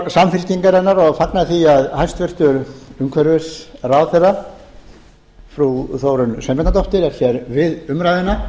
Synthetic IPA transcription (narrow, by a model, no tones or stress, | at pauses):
samfɪlc̪iŋkaɾɛnːaɾɔɣfaknaðθiaðhajnst̪vɪr̥t̪ʏɾʏŋkʰvɛɾvɪsraːwθɛra | fɾuθoːwɾʏnsɛmpɛt̪nat̪owht̪ɪɾɛɾ̥çjɛɾvɪðʏmɾajðɪnːa